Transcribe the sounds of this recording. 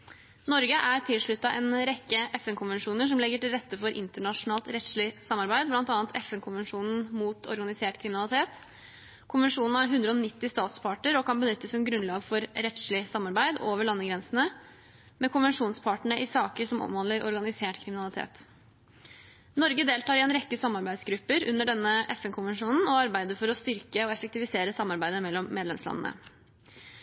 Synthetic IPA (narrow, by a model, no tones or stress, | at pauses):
nɔɾɡəʔæɾt̪ʰɪlʂɭʉt̪ːɑʔɛːnɾɛkːəʔɛfɛnkʰʊnʋɛnʂuːnəʂɔmlɛɡəʈɪlɾɛt̪ːəfɔɾʔɪ̰nt̪əɳɑʂʊnɑːlt̪ɾɛt̪ʂɭɪsɑmːɑɾbæɪd̪blɑnt̪ɑːnət̪ʰɛfɛnkʰʊnʋɛnʂuːnn̩muːt̪ɔ̰ɾɡɑnɪseːʈkʰɾɪmɪnɑlˠɪt̪ʰeːt̪ | kʰʊnʋɛnʂuːnn̩æɾɦʉnd̪ɾəɔnɪt̪ːɪst̪ɑːt̪spʰɑʈəɾɔkɑnbənʏt̪ːəsɔmɡɾʉnlɑːɡfɔɾɾɛt̪ʂɭɪsɑmːɑɾbæɪd̪oːʋəɭɑnːəɡɾɛnsnə | mɛkʰʊnʋɛnʂuːnspʰɑʈɳəɳəʔɪsɑːkəɾʂɔmɔ̰mhɑnlːəɾʔɔ̰ɾɡɑnɪseːʈkʰɾɪmɪnɑlɪt̪ʰḛːt̪ | nɔɾɡəd̪eːlt̪ɑːɾɪɛːnɾɛkːəsɑmːɑɾbæɪd̪sɡɾʉpːəɾʉ̰nːəɖɛnːəʔɛfɛnkʰʊnʋɛnʂuːnn̩ɔɑɾbæɪd̪əɾfɔɾɔst̪ʏɾkəɔɛfək̚t̪ɪʋɪseːɾəsɑmːɑɾbæɪd̪əmɛlːɔmːeːd̪lɛmslɑ̰nənə̰